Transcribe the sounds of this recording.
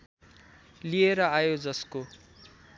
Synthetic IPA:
lijeɾʌajod͡zʌsko

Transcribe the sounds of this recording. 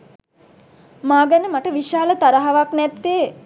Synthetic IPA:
maːɡænəmaʈəʋiʃaːlət̪aɾəɦaʋaknɛt̪ːeː

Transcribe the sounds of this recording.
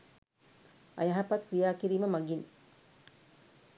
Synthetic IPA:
ʔɐ̰jɐɦɐpɐt̪kɾijaːkiɾiːməmɐɡin

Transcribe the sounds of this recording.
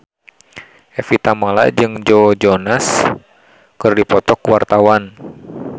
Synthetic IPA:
ʔɛfit̪amala̰d͡ʒɨŋd͡ʒod͡ʒonas | kɨrdipɔt̪ɔkuwart̪awan

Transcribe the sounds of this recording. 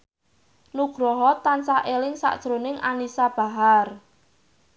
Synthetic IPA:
nuɡ̥ɾɔɦɔt̪ansaʔelɪŋsa̰ʔd̥ʒ̥ɾonɪŋanisab̥a̤ɦar

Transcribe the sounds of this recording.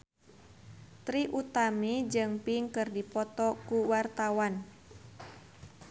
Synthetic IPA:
t̪ɾiʔut̪amid͡ʒɨŋpiŋkɨrdipɔt̪ɔkuwart̪awan

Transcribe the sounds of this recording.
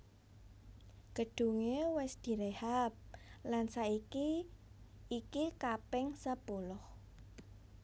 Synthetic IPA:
ɡ̥ə̤ɖ̥ṳŋewɛsd̪̥i̤ɾehap̚lansaikiː | kikapɪŋsəpolɔh

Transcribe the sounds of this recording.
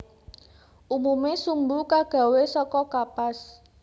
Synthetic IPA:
ʔumumesumbukaɡ̥ä̤wesɔkɔkapas

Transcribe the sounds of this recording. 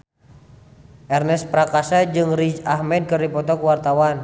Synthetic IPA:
ʔɛrnɛspɾakasad͡ʒɨŋrid͡ʒahmɛd̚kərdipɔt̪ɔkuwart̪awan

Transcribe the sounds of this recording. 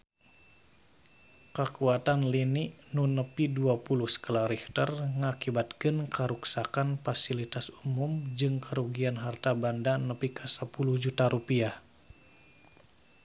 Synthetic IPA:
kəkuat̪anliniʔnunəpiduapuluhskalaɾiht̪ərŋakibat̪kɨnkəɾuksakanfasilit̪asumumd͡ʒɨŋkəɾuɡianɦart̪abandanəpikʰasəpuluhd͡ʒut̪aɾupiah

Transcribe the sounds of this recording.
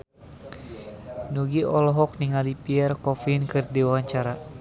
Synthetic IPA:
nuɡiʔɔlɔɦɔk̚niŋalipiɛrkɔfinkɨrdiwaaɲt͡ʃaɾa

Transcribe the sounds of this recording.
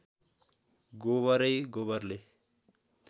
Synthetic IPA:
ɡoβʌɾʌjɡoβʌrle

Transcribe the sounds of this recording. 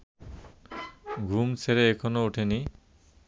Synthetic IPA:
ɡʱumsʰeɾeekʰɔnouʈʰeni

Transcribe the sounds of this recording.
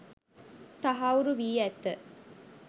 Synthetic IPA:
t̪ɐɦauɾuʋiːɛt̪ːə

